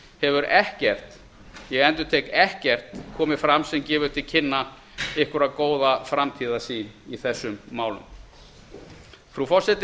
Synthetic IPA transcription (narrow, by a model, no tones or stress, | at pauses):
hɛvʏɾɛhcɛr̥t̪ | jɛɣɛnt̪ʏ̥t̪ʰekɛhcɛr̥t̪kʰɔːmɪfɾamsɛmcɛːvʏt̪ʰɪlcʰɪnːa | ɪhkʏɾakoːwðafɾamt̪ʰiːðasiːniθɛsːʏmːaːwlʏ̰m | fɾufɔr̥sɛt̪